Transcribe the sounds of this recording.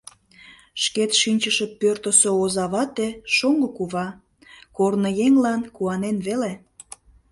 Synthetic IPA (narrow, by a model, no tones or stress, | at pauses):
ʃket̪ʃinʲt͡ɕəʃəpørt̪əsoozɑβɑt̪eʃoŋɡokuβɑ | kornojeŋlɑnkuɑnenβele